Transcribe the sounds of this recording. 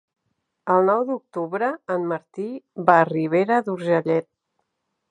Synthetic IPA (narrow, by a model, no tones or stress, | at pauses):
əlˠnɔwd̪uk̚t̪uβɾəːnməɾt̪iβariβeɾəðuɾʒəʎɛt̪̚